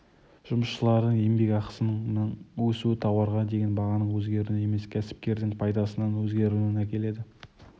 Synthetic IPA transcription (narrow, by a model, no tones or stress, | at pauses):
ʒ̥ʊməsʃəlˠɑɾd̪əɴembe̞kʲɑqə̥sənəɴwɵsuɪt̪ʰɑwɑɾʁɑd̪e̞ɡʲe̞nbɑʁɑnəɴwɵzɡʲe̞ɾule̞me̞skʲʰæsɪ̥p̚kʲe̞ɾd̪ɪŋpʰɑjd̪ɑsənɑnwɵzɡʲe̞ɾuluɪnækʲe̞le̞d̪ɪ